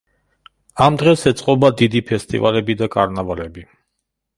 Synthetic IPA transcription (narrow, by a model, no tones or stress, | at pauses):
amd̪ʁɛsɛt̪sʼqʼɔbad̪id̪ipʰɛst̪ʼḭvalɛbid̪akʼaɾnavalɛbi